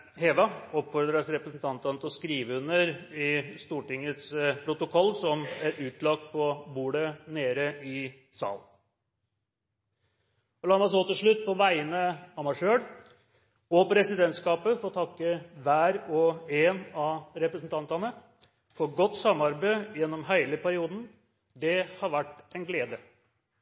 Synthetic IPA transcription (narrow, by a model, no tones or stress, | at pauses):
heːʋɑɔpfɔɾd̪ɾəsɾɛpɾəsn̩t̪ʰɑnt̪ɑnət̪ɔskɾiːʋəʉnəɾɪst̪uːʈɪŋːət̪spʰɾʊt̪ʊkʰɔlːsɔmæɾʉːt̪lɑk̚t̪̚pʰɔbuːɽəneːɾəʔɪ | sɑ̰ːl | ɔlɑːmɑs̬oːt̪ɪlʂɭʉt̪̚ːpʰɔʋæɪənəɑmɑʂøːɽ | ɔpɔɾɛsɪd̪ɛnt̪skɑːpəfɔɾɔt̪ʰɑkːəʋæːɾɔeːnɑɾɛpɾəsnt̪ʰɑnt̪ɑnə | fɔɾɡɔt̪ːsɑmːɑɾbəjɛnːɔmɦæɪləpʰæɾɪuːd̪n̩ | d̪ɛhɑɾʋæʈːæɪnɡleːd̪ə